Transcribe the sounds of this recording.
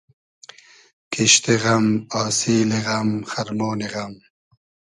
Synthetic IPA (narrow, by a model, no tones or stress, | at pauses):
kiɕt̪iɣɐmaːsiːleɣɐmxɐɾmoːniɣɐm